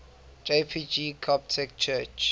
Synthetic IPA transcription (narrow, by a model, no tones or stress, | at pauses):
d͡ʒepʰid͡ʒikʰɔp̚tʰɛk̚t͡ʃʰɜt͡ʃ